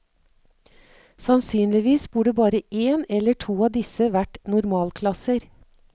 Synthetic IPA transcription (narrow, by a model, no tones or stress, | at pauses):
sɑnsyːnlɪʋiːsbuːɖəbɑːɾəʔeːnɛlːəʈʰuːɑːd̪ɪsəʋæʈnʊɾmɑːlkʰlɑsəɾ